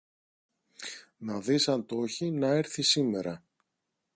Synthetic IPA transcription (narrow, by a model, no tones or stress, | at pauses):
nɐðisɐnt̪o̞çinɐe̞ɾθisime̞ɾɐ